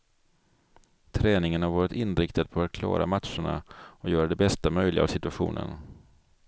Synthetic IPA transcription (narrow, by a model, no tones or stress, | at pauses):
t̪ʰɾɛːnɪŋənhaɾvɑːɾɪt̪ɪnɾɪkt̪ad̪̚pʰɔaɾkʰlɑ̰ːɾa̰mat̪ʂəɳa̰ɔjœːɾad̪ɛbɛst̪amœjlɪɡa̰vsɪt̪ɵaɧṵːnʔə̰n